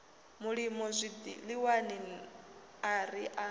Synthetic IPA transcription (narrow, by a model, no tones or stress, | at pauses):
muɺimɔzʷid̪ḭliwanin | aɾiʔa